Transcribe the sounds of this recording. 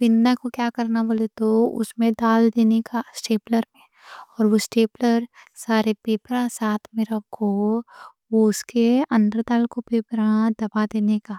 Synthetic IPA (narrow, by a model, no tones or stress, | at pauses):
pɪnːakokjaːkɐɾnaboːlet̪oʊ̰smẽd̪aːld̪eːnekasʈeːpləɾmẽ | ɔːɾʋosʈeːpləɾ | saːɾepeːpɾãsaːt̪ʰmẽɾɐkʰo | ʋoʊskeɐ̃nd̪ɾd̪aːlkopeːpɾãd̪ɐbad̪eːnekaː